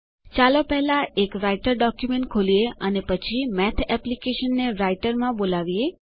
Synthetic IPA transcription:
t͡ʃalopɛɦɛlãekɾaiʈəɾɖɔkjumẽɳʈ̚kʰolieənepət͡ʃʰimɛt̪ʰɛplikeʃənːeɾaiʈəɾmãbolaʋie

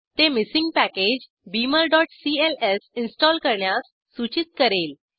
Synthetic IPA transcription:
t̪emisĩŋɡpæked͡ʑ | biməlɖɔʈsielesinsʈɔlkəɾɳjasːut͡ɕit̪̚kəɾel

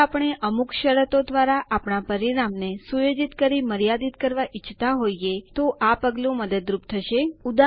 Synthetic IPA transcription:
apəɳ̃eʔəmukʃəɾət̪od̪ʋaɾaʔapɳapəɾinamnesujod͡ʒit̪kəɾiməɾijad̪it̪kəɾʋaʔɪt͡ʃʰːt̪aɦoiet̪oʔapəɡlũməd̪əd̪ɾupt̪ʰəʃeud̪a

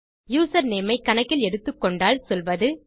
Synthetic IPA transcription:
juːsɐɾneːmɐɪkːɐnɐkːɪlɛɽɯt̪ːɯkːɔɳɖaːlsɔlʋɐðɯ

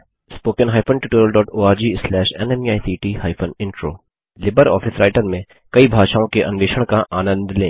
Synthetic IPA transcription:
spoːkənɦaːɪpʰənʈɪʈoːɾəlɖɔːʈoːaːɾd͡ʒiːslɛːʃɛnɛmiaːjsiːʈiːhaːɪpʰənɪ̃ɳʈɾo̰ː | lɪbəɾɔ̰ːfʰɪsɾaːɪʈəɾmẽ | kɐibʱaːʃaːõkeʔɐ̰̃nʋeːʃəɽ̃kaʔaːnə̃nd̪lẽː

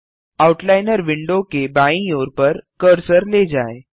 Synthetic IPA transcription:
auʈlajnəɾʋiɳɖokebaĩjoɾpəɾkəɾsəɾled͡zae

